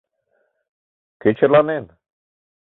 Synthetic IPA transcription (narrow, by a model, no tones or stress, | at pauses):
ket͡ʃʰelanen